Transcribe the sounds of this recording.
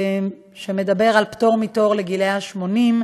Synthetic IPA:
ʃemed̪abe̞ʁalpto̞ʁmito̞ʁleɡileaʃmo̞nim

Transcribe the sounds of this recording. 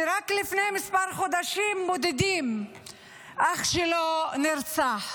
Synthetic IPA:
ɾaklifnejmispaɾχod̪aʃimbod̪ed̪im | ʔaχʃeloniɾt͡saħ

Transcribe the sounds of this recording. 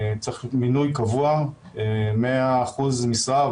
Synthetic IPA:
t͡seminujkavua | emeaːχuzmisʁa

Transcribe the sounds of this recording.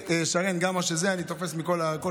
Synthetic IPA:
eʃaʁenɡamaʃezeanit̪o̞fe̞smiko̞lako

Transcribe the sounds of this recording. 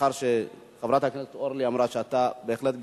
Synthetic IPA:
aɾʃe | χavɾat̪haknest̪oɾliamɾaʃeat̪abeexlet̪ɡ

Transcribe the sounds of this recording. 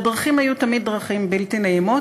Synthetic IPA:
dʁaχimhajut̪ɐmid̪̚ːʁaχimbelt̪inaimo

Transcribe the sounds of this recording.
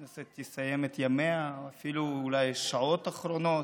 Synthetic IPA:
naset̪jisajemet̪jameaafiluːlajʃaʕot̪aχɾono

